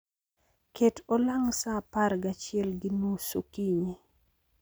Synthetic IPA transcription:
ketolaŋsapaɾɡat͡ʃɪɛlɡɪnosokiɲe

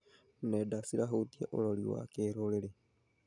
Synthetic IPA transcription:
nedasiɾaɦot̪ieʔo̰loliwa̰keɾoleɾe

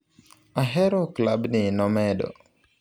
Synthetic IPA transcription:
aɦɛɾɔklabnɪnɔmɛdɔ̰

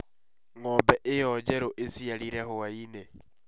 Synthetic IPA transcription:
ŋɔmbɛʔejɔd͡ʒɛɾoʔesiaɾiɾɛhoaine

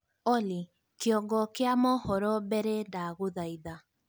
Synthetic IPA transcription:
ɔli | keɔɡɔkeamɔhɔɾɔbɛɾɛndaɣoðaiða

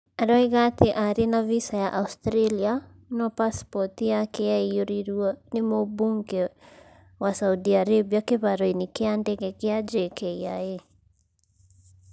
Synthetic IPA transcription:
aɾɔeɣateʔaɾenavisajaʔaustɾelia | nɔpaspɔtijakɛaioɾiɾuɔnemobuŋɡɛ | wasaudiaɾebiakeβaɾoinekeandɛɣɛkead͡ʒekʰɛiae

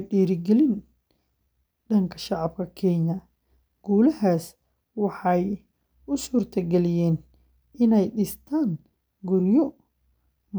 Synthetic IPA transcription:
ɖiːɾɪɡɛlɪn | ɖɐŋkʰɐ̥ʃɑʕɑb̚kʰɐkʰɛɲɐ | ɡ̥uːlɐhaːs | wɑħɑj | ʊsuːrt̪ʰɐɡɛlɪjɛːn | ɪnɛjɗɪst̪ʰaːŋ | ɡʊɾjɔ | m

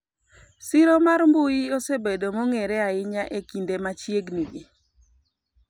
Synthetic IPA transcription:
sɪɾomarmbujiosebedomɔŋeɾɛaɪɲaʔekindemat͡ʃjeɡniɡɪ

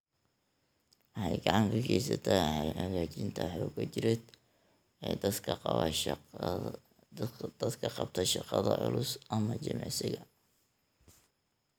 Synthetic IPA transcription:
wɑħɑjɡɑʕɑŋkʰɐkʰɛjsɐt̪ʰɛjʕɐɣaːt͡ʃɪnt̪ʰɐħʊkʰɐt͡ʃɪɾɛd̪ | ɛd̪ʰ | d̪̥ɐd̪kʰɐqɑbt̪ʰɐʃɑqɑðɐʕʊ̰lʊsʔɐmɐt͡ʃɪmɛsɪɣɐ

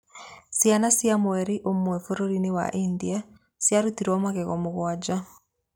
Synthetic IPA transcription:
sjanasjamoɛɾiʔomwɛfoɾoɾinewa̰ʔindia | sjaɾutiɾɔmaɣɛɣɔmoɣwad͡ʒa

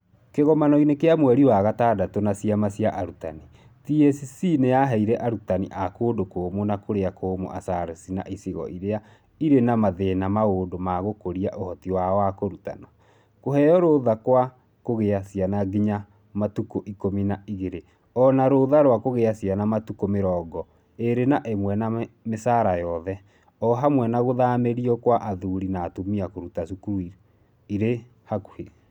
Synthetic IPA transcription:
keɣɔmanɔinekeamwɛɾiwaɣataːdatonasiamasjaʔaɾuta̰ni | tiesisinejaɦɛiɾɛʔaɾutanḭʔakoːdokomonakoɾeakʰoːmo̰ʔa̰saɾesina̰ʔisiɣɔ̰ʔiɾea | iɾenamaðenamaoːdomaɣokoɾiaʔohɔtiwaɔakoɾuta̰na | koɦɛɔɾoðakwa | koɣeasjanaɡiɲa | matukoʔikominaiɣeɾe | ɔnaɾoðaɾwakoɣeasianamatukomeɾɔːɡɔ | eɾenaʔemwɛnamesaɾajɔðɛ | ɔɦamwɛnaɣoðameɾiɔkwaʔaðuɾinaːtomiakoɾutasukuui | iɾe | haku̥he

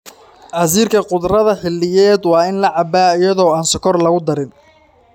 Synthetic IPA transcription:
ʔɐziːrkʰɐqʊd̪rɐðɐħɪlːɪjɛːd̪wɑːɪnlɐʕɑbaːɪjɐðɔːaːnsɔkʰɔrlɐɣʊd̪ɐɾɪn

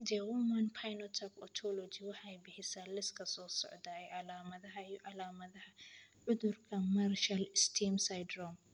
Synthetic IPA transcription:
d͡ʒɛwɔmɐnpʰajnɔt̪ʰɐkɔt̪ʰɔlɔd͡ʒiwʊħajbɪħɪsɐlɪskʰɐsoːsɔ̰ʕd̪ɐjʕalaːmɐðɐɦɐʕalaːmɐðɐhɐʕʊðʊɾkʰɐmɐɾʃɐlɪst̪ʰimsajd̪ɾɔm

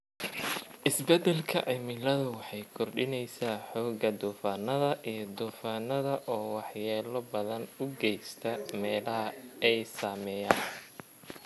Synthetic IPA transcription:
ʔɪsbɛd̪ɛlkʰɐʔɪmɪlɐðʊwɑħɑjkʰɔrɖɪnɛjsaːħɔːɡɐd̪uːfaːnɐðɐʔijɞd̪uːfaːnɐðɐʔɔːwɑħjɛːlɔbɐðɐnʊɡɛjst̪ʰɐmɛːlɐɦɐɛjsaːmɛːjaːn

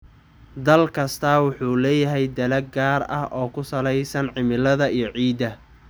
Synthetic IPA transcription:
d̪ɐlkʰɐst̪ʰɐwʊħuːlɛːjɐɦɛjd̪ɐlɐɡaːɾɐ̰hʔɔːkʰʊsɐlɛjsɐnʕɪmɪlɐðɐijɞʕiːd̪ɐ

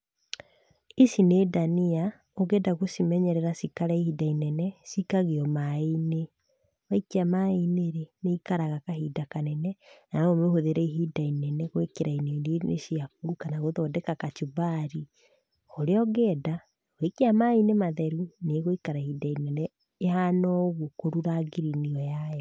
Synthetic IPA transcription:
isinedania | oɣɛːdaɣosimɛɲɛɾɛɾasikaɾaihidainɛnɛsikaɣeɔmaine | waikeamaineɾeneikaɾaɣakahidakanɛnɛnanɔomehoðeɾɛiɦidainɛnɛɣoekeɾaineɾenḛʃiakuukanaɣoðɔdekakat͡ʃuβaɾi | oɾeɔɣɛːda | ɣoikeamainemaðɛɾuneɣoikaɾaihidainɛnɛ | ehanɔɣokoɾuɾaɡiɾiniɔjaɛ

